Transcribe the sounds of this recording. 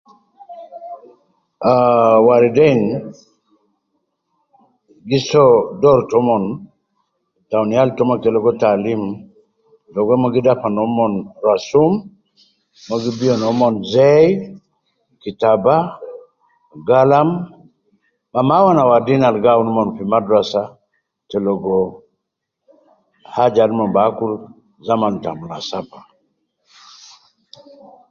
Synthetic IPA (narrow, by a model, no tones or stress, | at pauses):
awaɾdɛŋ | ɡisɔdɔɾtɔmɔn | tawnjaltɔmɔkeɛlɔɡɔtalim | dɔɡɛmɔɡɪdapanɔmɔnɾasumː | ɔɡibiɔnɔmɔnzɛj | kitaba | ɡalam | mamawanawadinalɡawnmɔnfimadɾasa | tɛlɔɡɔ | had͡ʒadmɔbakul | zamantamulasapḁ